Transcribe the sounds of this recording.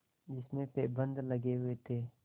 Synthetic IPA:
d͡ʒɪsmẽpeːbə̃nd̪ləɡeɦʊet̪ʰeː

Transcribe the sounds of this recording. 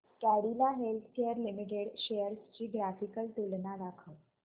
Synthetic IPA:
kæɽilaɦelt̪ʰkejəɾlimiʈeɽɕejəɾst͡ɕiːɡɾafikəlt̪ulnaɾakʰəʋ

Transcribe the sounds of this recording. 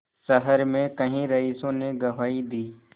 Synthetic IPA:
səɦəɾmẽkɐɦĩɾɐiːsõneɡɐʋaːid̪iː

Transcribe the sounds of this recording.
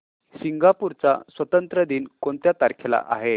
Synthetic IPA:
siŋɡapuɾt͡sa̰sʋət̪ənt̪ɾəd̪iːnkoɳt̪jat̪aɾkʰela̰ʔa̰ɦe

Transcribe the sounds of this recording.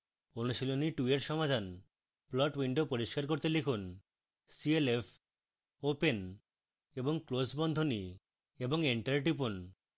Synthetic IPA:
onuʃiloniʈueʈʃɔmad̪ʱan | plɔʈwiɳɖopoɾiʃkaɾkoɾt̪elikʰun | sielefʰ | open | eboŋklosbɔnd̪ʱoni | eboŋiɳʈaɾʈ̬ipun

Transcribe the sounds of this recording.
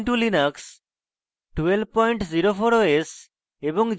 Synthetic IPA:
ɳʈulinəks | ʈuwel̚pɔjɳʈziɾopʰoɾoes | ebɔŋ

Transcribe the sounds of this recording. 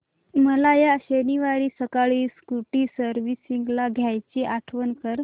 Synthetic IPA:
məlajaɕeniʋaɭiːsəkaɭiːskuʈiːsəɾʋisiŋɡlaɡʱjajt͡ɕeʔaʈʰʋənkəɾ

